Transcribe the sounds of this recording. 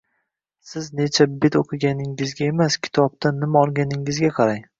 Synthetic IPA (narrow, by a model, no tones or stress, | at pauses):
sɪznet͡ʃʰabet̪oqʰɨɡʲanɪŋɪzɡʲaemaskʲʰɪ̥t̪ʰɒb̚t̪ʰanːɪmaɒlˠɡʲanɪŋɪzɡʲaqʰɑɾaj